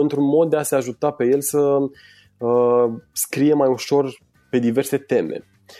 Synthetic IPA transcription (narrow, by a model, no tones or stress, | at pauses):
ɨnt̪ɾunmo̞d̪̚d̪ease̞aʒut̪ape̞je̞lsə | əskɾije̞majuʃo̞r | pe̞d̪ive̞rse̞t̪e̞mḛ